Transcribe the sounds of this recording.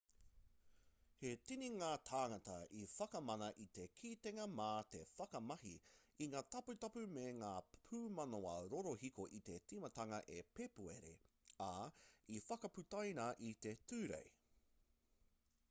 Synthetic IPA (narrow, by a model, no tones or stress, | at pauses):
he̞tiniŋaːt̪ʰaːŋɐt̪ɐifɐkɐmɐnɐʔit̪e̞kʰiːt̪eŋɐmaːt̪e̞fɐkɐmɐɦiiŋaːt̪ɐpʉtɐpʉmeŋaːpʰʉːmɐnoɐɾoɾohikoʔit̪e̞t͡simɐt̪ɐŋɐʔepepuḛɾḛ | aifɐkɐpʉt̪ɐjnɐʔit̪e̞tʉːɾḛj